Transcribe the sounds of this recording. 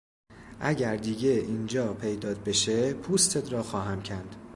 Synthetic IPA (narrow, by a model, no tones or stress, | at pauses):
ʔæɟæɾd̪iːɟe̞ʔiːnd͡ʒɒːpʰe̞jd̪ɒːt̪̚be̞ʃepʰuːst̪ʰet̪ʰɾɒːxɒːɦæmcʰænd̪̥